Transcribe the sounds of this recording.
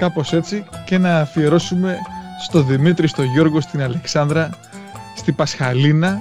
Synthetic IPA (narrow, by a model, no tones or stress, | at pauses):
kɐpo̞se̞t͡sice̞nɐːfie̞ɾo̞sume̞st̪o̞ðimit̪ɾist̪o̞ʝo̞ɾɣo̞st̪inɐle̞ksɐnd̪ɾɐ | st̪ibɐsxɐlinɐ